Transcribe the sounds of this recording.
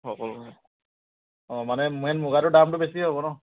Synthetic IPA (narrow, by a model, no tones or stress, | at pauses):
hɔkɔl | ɔmanɛmɛnmʊɡaɾʊdamtʊbesiɦɔbɔnɔ